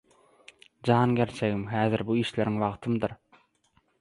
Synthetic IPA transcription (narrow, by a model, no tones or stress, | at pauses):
d͡ʒɑːnɡʲeɾt͡ʃʰeɣimɦæːðiɾbuiːʃle̞ɾiŋʋɑʁt̪ʰɯmd̪ɯɾ